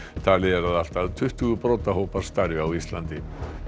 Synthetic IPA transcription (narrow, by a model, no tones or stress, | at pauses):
t̪ʰaːlɪɛɾaðal̥t̪aðt̪ʰʏht̪ʏɣʏpɾoːt̪aɦoːwpaɾ̥st̪aɾvʏawist̪lant̪ɪ